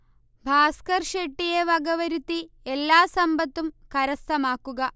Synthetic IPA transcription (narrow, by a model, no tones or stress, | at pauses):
bʱaːskɐɾʃeʈːijeʋɐɡɐʋɐɾit̪i | elːaːsɐmbʱɐt̪ːumkɐɾɐst̪ʰɐmaːkuɡɐ